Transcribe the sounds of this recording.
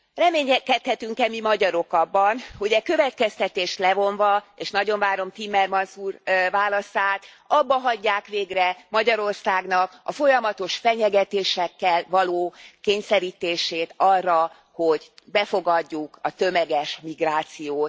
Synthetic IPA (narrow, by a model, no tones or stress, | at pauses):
rɛmeːɲɛkɛt̪hɛt̪yŋkɛmimɒɟɒɾo̞kɒbːɒnhuɟɛkø̞vɛt̪kɛst̪ɛt̪eːʃt̪lɛvo̞ɱvɒeːʃnɒɟo̞ɱvaːɾo̞mt̪imːɛrmɒnsuːrvaːlɒsaːt̪ | ɒbːɒɦɒɟːaːkʋeːɡrɛmɒɟɒɾo̞rsaːɡn̪ɒkɒ̰fo̞jɒmɒt̪o̞ʃfɛɲɛɡɛt̪eːʃɛkːɛlvɒloːkeːɲsɛɾiːt̪eːʃeːt̪ɒrːɒ | ho̞ɟbɛfo̞ɡɒɟːukɒt̪ømɛɡɛʃmiɡraːt̪sijoːt̪